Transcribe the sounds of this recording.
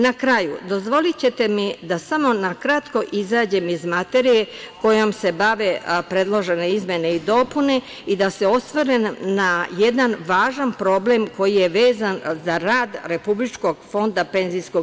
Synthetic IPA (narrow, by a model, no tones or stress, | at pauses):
nakɾajṵd̪o̞zʋo̞lit͡ɕe̞t̪e̞mid̪asamo̞nakɾat̪ko̞ʔizaːd͡ʑe̞mizmat̪e̞ɾije̞ko̞jo̞mse̞baʋe̞pɾe̞d̪lˠo̞ʒe̞ne̞izmʲjene̞id̪o̞pune̞ | id̪ase̞o̞st̪ʋoɾennajed̪anʋaːʒanpɾo̞ble̞mko̞jije̞ʋeːzanzaɾaːd̪ɾe̞publit͡ʃko̞ɡfo̞nd̪ape̞nzijsko̞ɡ